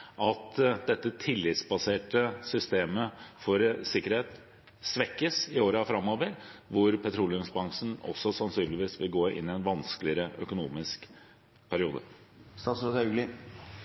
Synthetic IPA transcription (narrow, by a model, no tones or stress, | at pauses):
ʔɑt̪d̪ɛt̪ːət̪ʰɪlːɪt̪sbɑseːʈəsʏst̪eːməfɔɾsɪkəɾheːt̪ | sʋɛkːəsɪoːɾəɑfɾɑmːoːʋəɾʋʊɾpʰɛt̪ʰɾuːlɪʉmsbɑŋʂn̩ɔ̰sːɔsɑnsyːnlɪʋiːsʋɪlɡoːʔɪ̰nːɪɛnʋɑnsklɪəɾəʔœkʊnṵːmɪsk | pʰæɾɪuːd̪ə̰ | st̪ɑːt̪sɔt̪ɡlɪ